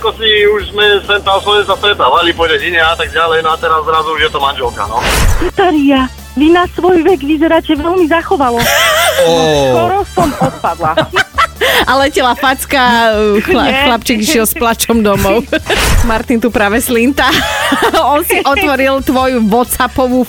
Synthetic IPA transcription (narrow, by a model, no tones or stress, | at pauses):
akɔsiuʒzmɛsɛnt̪aslɔɛnsast̪ɾɛt̪aːʋalipɔʎɛɟiɲɛat̪aɡ̚ɟalɛjnɔat̪ɛɾazːɾazuuʒjɛt̪ɔmanʒɛlka̰nɔat̪aɾija | ʋinasʋɔjʋɛɡʋizɛɾaːcɛʋɛlmizaxɔʋalɔ | kɔɾɔsɔmɔt̪̚pad̪la | alɛcɛlafat͡skaxlaxlapt͡ʃiɡiʃɪɛlsplat͡ʃɔmd̪ɔmɔʊmaɾt̪int̪upɾaʋɛslint̪a | ɔnsiʔɔt̪ʋɔɾilt̪ʋɔjuʋɔt̪t͡sapɔʋu